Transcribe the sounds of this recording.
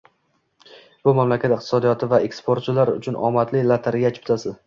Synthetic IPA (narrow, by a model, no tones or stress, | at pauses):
b̥ʊmamlakʲʰat̪ɪqt̪ʰɪ̥sɒd̪ijɒt̪ʰɪvaekspoɾt̪t͡ʃʰɪlaɾʊt͡ʃʰʊnʔɒ̰mat̪lɪlat̪ʰaɾɪɡʲat͡ʃʰɪ̥p̚t̪ʰasɪz